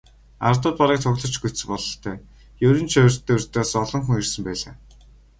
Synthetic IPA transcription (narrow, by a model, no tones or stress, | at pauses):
a̰rt̪ə̆t̪̚paɾiːk̚t̪ʰʊɣɮɞ̆t͡ɕɡut͡st͡sɘ̆pɔɮɞ̆ɬt̪ʰœː | jɵɾɵ̆nt͡ɕʰœrt̪ʰːeːɵr̥ʲt̪ʰeːsɔɮɞ̆ŋxuŋirsɘ̆mpæːɮa̰ː